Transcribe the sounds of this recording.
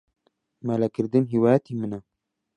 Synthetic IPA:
mælɛkɨɾd̪ɨnɦiwaːjɛt̪ʰimɨna

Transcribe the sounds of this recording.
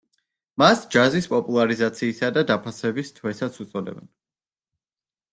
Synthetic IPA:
masd͡ʒazispʼɔpʼulˠaɾizat̪sʰiːsad̪ad̪apʰasɛbist̪ʰwɛsat̪sʰut̪sʼɔd̪ɛ̰bɛ̰n

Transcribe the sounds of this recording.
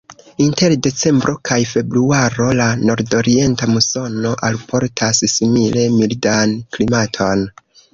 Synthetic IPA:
inte̞ɾde̞t͡se̞mbɾo̞kʰajfe̞bɾuaɾo̞lano̞ɾdo̞ɾie̞ntamuso̞no̞ʔalpʰo̞ɾtʰassimile̞mildanklimatʰo̞n

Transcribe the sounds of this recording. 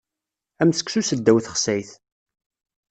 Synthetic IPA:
æmθə̥ksusəd̪ːæwθə̥χsæjθ

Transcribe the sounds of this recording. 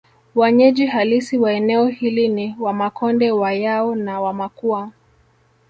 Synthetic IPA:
waɲɛʄiɦalisiwaɛnɛɔhiliniwamakʰɔndɛwajaɔnawamakua

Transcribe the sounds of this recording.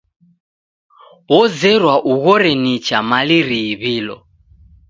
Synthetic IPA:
wɔzɛɾwaʔuɣɔɾɛnit͡ʃamaliɾiːβiːlɔ̰

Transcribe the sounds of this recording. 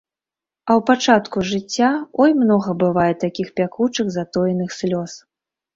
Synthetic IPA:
ɐwpat͡ʂat̪kuʐɨt͡sʲːaɔjmnɔɣɐbɨvajɛt̪akʲixpʲakut͡ʂɨɣzat̪ɔjɛnɨxsʲlʲɔs

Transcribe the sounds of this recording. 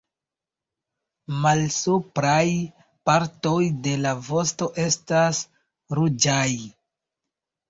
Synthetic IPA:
malsupɾaj | paɾto̞jde̞lavo̞sto̞ʔe̞stas | ɾud͡ʒaj

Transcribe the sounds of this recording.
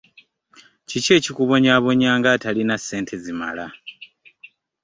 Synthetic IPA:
cice̞ːcikuβo̞ɲaːβo̞ɲaːŋɡatalinasːe̞ːntʰe̞zima̰la

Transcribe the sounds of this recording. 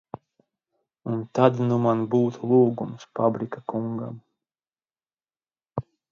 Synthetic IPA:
unt̪ad̪numanbuːt̪ʰulˠuːɡumsfabɾikakuŋɡa̰m

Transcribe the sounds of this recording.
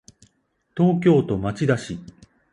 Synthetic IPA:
t̪o̞ːk̬ʲo̞ːt̪o̞mat͡ɕid̪aɕi

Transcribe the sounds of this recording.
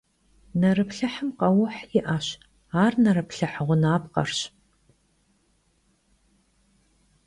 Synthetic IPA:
nɐrɨpɬɐħəmqɐwʊħjɪʔaɕ | aːrnɐɾɨpɬɐħʁʷʊnaːpqɐ̰rɕ

